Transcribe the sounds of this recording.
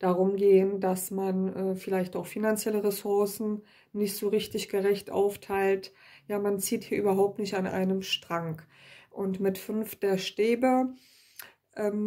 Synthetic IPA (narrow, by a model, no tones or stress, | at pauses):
d̥aʁʊmɡeːəndasmanʔɛːfɪlaɪçtaʊxfinant͡sjɛləʁɛsʊɐsn̩ | nɪçtz̥oːʁɪçtɪçɡ̥əʁɛçtʔa̰ʊftʰaɪlt | jaːmant͡siːthiːɐʔyːbɐɦaʊp̚tnɪçtanʔa̰ɪnəmʃtʁ̥aŋk | ʔʊntmɪtfʏnfd̥eːɐʃteːbə | ʔɛːm